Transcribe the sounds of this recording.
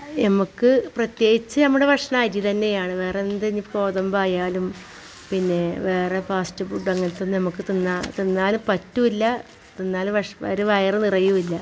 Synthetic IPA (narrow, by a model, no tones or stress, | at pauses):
nɐmukːɨprɐt̪je̞ːɡit͡ɕːɨnɐmːuɽe̞ʋʱɐkʂɐɳaːjɾjit̪ɐnːe̞jaːɳɨʋe̞ːrend̪enːipo̞ːðɐmbaːjaːlum | pinːe̞ʋe̞ːrepaːstɨbuɖːɐŋːɐnt̪ːonːɨnɐmukːɨt̪inːat̪inːaːlupɐtːuʋilːɐ | t̪inːaːlʋɐʂɐ̰ɾuʋɐjrɨnirɐjuʋilːɐ